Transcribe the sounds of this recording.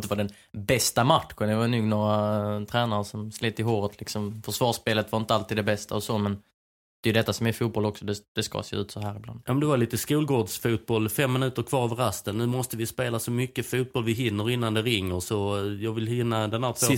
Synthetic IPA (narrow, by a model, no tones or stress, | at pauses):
t̪əvaɖɛn | bɛst̪amaʈ̪ɧənd̪ɛvanuːɡnoːɾat̪ʰɾɛːnaɾəsɔmsliːt̪ːɪɦoːɾət̪ʰlɪksɔmfœʂvɑːʂpeːlət̪vaɾɪnt̪əalt̪iːd̪d̪ɛbɛst̪a̰ɔsomɛn | d̪̥ɛjɵd̪ɛt̪ːasɔmæɾfuːt̪̚bɔlɔksɔd̪ɛd̪̥ɛskɑ̰sḛːʉ̟ːt̪sɔɦæːɾɪbland̪jɑːmnd̪ɛvaɾliːt̪əskuːlɡoːɖsfuːt̪̚bɔlːfɛmːɪnʉ̟ːt̪əɾkʰvɑːɾəvəɾast̪ənnːʉ̟ːmɔst̪əvɪspeːlasɔmʏkːəfuːt̪̚bɔlvɪɦɪnːəɾɪnːand̪ɛɾɪŋːəɾsɔjɑːɡvɪlhɪnːad̪ɛnhæːɾt̪vo